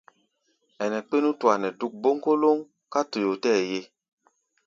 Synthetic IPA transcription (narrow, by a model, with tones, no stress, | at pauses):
ɛ˨nɛ˨k͡pe˦nu˦tu˨a˨nɛ˨du˦k̚bo˦ŋko˦lo˦ŋ | ka˦to˨jo˨tɛː˦˨je˦